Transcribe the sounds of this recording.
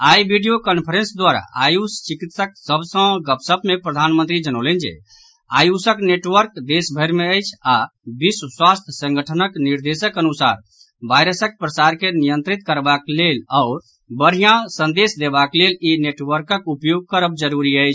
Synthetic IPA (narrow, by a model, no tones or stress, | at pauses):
ajbiɖijokənpʰəɾensd̪waɾa̰a̰just͡ʃikit̪sək̚səbʱsə̃ɡəpsəbmepɾəd̪ʱanmə̃nt̪ɾid͡ʒənolend͡ʒḛ | ajusəkneʈʋəɾkd̪esbʱəjɾmeəjt͡ʃʰabisswast̪ʰsə̃ŋɡəʈʰənəkniɾd̪esəkənusa̰ɾ | bajɾəsək̚pɾəsaɾkenijə̃nt̪ɾit̪̚kəɾbaklelaʊɾ | bəɾɦijãsə̃nd̪esd̪ebaklelineʈʋəɾkəkupjoɡ̚kəɾəb̚d͡ʒəɾuɾiəjt͡ʃʰ